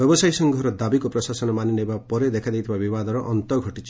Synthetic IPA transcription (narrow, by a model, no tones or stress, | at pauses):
jɔbɔsajsɔŋɡʱɔɾɔd̪abikɔpɾɔsasɔnɔmaninejbapɔɾed̪ekʰad̪ejt̪ʰibabibad̪ɔɾɔʔɔnt̪ɔɡʱɔʈit͡ʃ